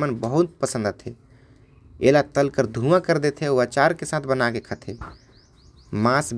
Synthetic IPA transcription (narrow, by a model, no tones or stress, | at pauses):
mənbəɦut̪̚pəsə̃nd̪ət̪ʰe | elat̪əlkəɾd̪ʱumãkəɾd̪et̪ʰɛoat͡ʃaɾkesãt̪ʰbənakekʰət̪ʰe | masb